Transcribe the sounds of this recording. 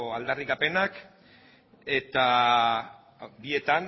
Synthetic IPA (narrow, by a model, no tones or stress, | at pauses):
oald̪arikape̞nak | e̞t̪a | bie̞t̪an